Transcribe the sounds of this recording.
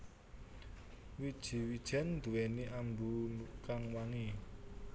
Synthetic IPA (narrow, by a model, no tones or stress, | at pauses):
wid̥ʒ̥i̤wid̥ʒ̥ɛ̤nd̪̥uwɛniʔambulukaŋwaŋi